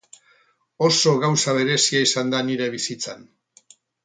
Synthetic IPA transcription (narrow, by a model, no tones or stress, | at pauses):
o̞so̞ɣawsaβ̞e̞ɾe̞siaisand̪aniɾe̞βisit͡san